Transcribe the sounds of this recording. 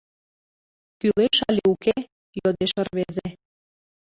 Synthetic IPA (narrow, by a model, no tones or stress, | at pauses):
kyleʃɑlʲeuke | jod̪eʃə̆rβeze